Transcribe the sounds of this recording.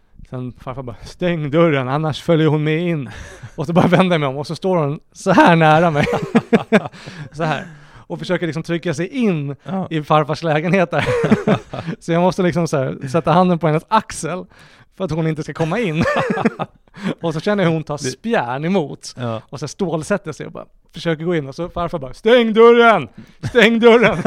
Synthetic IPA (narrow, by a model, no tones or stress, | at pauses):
sɛnfaɾfabɑst̪ɛŋːd̪ɵɾːənanːaʂfœljəɾhʊnmɛjɪnːɔsɔbœɾjavɛnd̪əjmɛɔmɔsɔst̪oːɾhʊnsɔɦæːɳæːɾamɛj | sɔhæ̰ːɾɔfœʂøːkəɭlɪksɔmt̪ʰɾʏkːasɛjʔɪnːɪfaɾfaʂlɛːɡənheːt̪əɾ | sɔjɑːɡmɔst̪əlɪksɔmsæːɾsɛt̪ːahand̪ənpɔɛnːəsaksəl | fœɾat̪hʊnɪnt̪əskakʰɔmːaɪnː | ɔsɔɕɛnːəhhʊnt̪ʰɑːspjæːɳɛmuːt̪ɔsæːʂt̪oːlsɛt̪ːəʂɛ̰jɔ̰bɑ̰ː | fœʂøːkəɾɡoːɪnːɔsɔfaɾfabɑːɾst̪ɛŋːd̪ɵɾənst̪ɛŋːd̪ɵɾːən